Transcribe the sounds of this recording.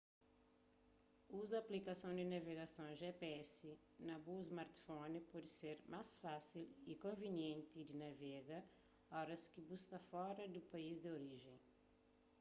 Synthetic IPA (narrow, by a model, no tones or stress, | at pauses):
uzɐːplikasɐ̃w̃d̪inaveɡasõw̃ʒepeɛsi | nɐbuzmaɾt̪fõnpɔd̪ɪseɾmasfasilikõvenjẽnt̪id̪inavɛɡɐ | ɔɾɐskibuskɐfɔɾɐd̪upaizd̪eoɾiʒẽj̃